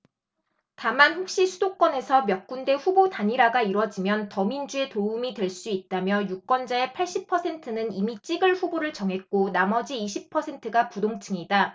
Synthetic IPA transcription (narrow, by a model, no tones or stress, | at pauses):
tamanɸok̚ɕ͈isʰudok͈ʌne̞sʰʌmjʌk̚k͈unde̞ɸubotaɲiɾaɡaiɾwʌd͡ʑimjʌntʌmind͡ʑue̞toumidwe̞ɭs͈uit̚t͈amjʌjuk͈̚wʌnd͡ʑae̞pʰaɭɕ͈ipʰʌsʰe̞ntʰɯnɯnimit͡ɕ͈iɡɯɭɸuboɾɯɭt͡ɕʌŋɦe̞k̚k͈onamʌd͡ʑiːɕʰipʰʌsʰe̞ntʰɯɡapudoŋt͡ɕʰɯŋida